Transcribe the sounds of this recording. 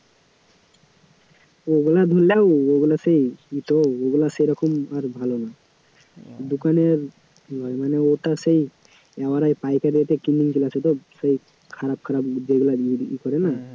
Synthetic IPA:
oɡulad̪ʱolewoɡulasejit̪ɔoɡulasejɾɔkɔmaɾbʱalona | d̪ukaneɾ | lɔjmaneot̪asej | ɛbaɾajpajkad̪iat̪ɛkinːiŋkilaset̪ɔsej | kʰaɾap̚kʰaɾabd͡ʒeɡulaiikɔɾɛna

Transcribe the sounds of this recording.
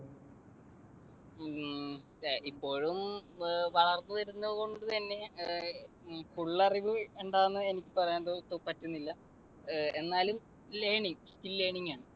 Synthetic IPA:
ipːo̞ːɻumʋɐɭɐrnːuʋɐɾunːɐðko̞ɳɖɨt̪ɐnːe̞ | fuɭːɐriʋɨeɳɖaːnːɨe̞nikʲːɨpɐrɐjand̪ot̪ːopɐtːunːilːɐ | e̞nːaːlum | lejɳiŋstilːeːɳiŋːaːɳɨ

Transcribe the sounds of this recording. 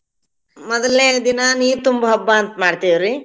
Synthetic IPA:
mɔd̪ɐlneːd̪inɐniːɾt̪umbɐɦɐbːaːnt̪ɐmaːɽt̪ijʋɾi

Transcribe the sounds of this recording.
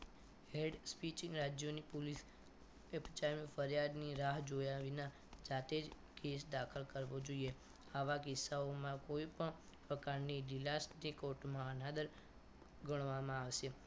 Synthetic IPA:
ɦeɖspit͡ʃĩŋɡɾad͡ʒjonipulis | ept͡ʃaɾmifəɾjad̪niɾaɦd͡ʒojaʋinã | d͡ʒat̪ed͡ʒ | kesd̪akʰəlkəɾʋod͡ʒoie | aʋakɪsːaomãkoipəɳ | pəkaɾniɖilasnikoʈmãənad̪əɾ | ɡəɽ̃ʋamãaʋʃe

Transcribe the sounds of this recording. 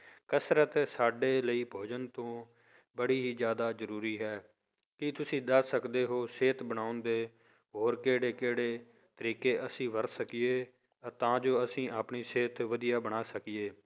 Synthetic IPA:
kəsɾət̪saːɖeːləiːpʰoːd͡ʒənt̪õː | bəɽiːɦiːd͡ʒjaːd̪aːzəɾuːɾiːɦɛː | kɪt̪ʊsĩːd̪əssəkd̪eːɦoːseːt̪bəɽaːʊnd̪eː | ɦoːɾkeːɽeːkeːɽeː | t̪əɾiːkeːʔəsĩːʋəɾsəkɪeː | t̪ãːd͡ʒoːəsĩːʔaːpɳiːseːt̪ʋəd̪ijaːbəɽ̃aːsəkɪeː

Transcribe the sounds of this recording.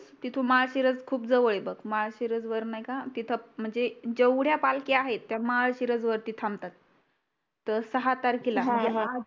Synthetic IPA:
t̪it̪ʰũmaɭɕiɾəd͡zkʰuːp̚d͡zəʋəɭebəkmaɭɕiɾəd͡zʋəɾnajkat̪it̪ʰəm̤əɳd͡zed͡ʑewɽ̤japalkeaɦet̪ːjamaɭɕiɾəd͡zʋəɾt̪iːt̪ʰamt̪at̪̚ː | əsəɦat̪aɾkila̤əɳd͡ze

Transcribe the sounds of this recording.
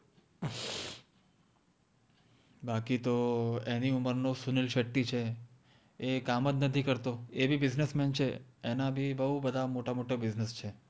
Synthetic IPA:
bakit̪oeniuməɾnosunilʃəʈːit͡ʃʰe | ekamət̪nət̪ʰikəɾt̪oebʱibɪznəsmɛnt͡ʃʰḛenabʱibəɦubəd̪ʱamoʈamoʈabɪznəst͡ʃʰe

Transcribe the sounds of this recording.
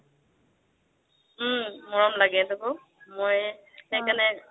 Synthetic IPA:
mɔɹɔmlaɡɛtʊkʊ | moj | xɛjkanɛ

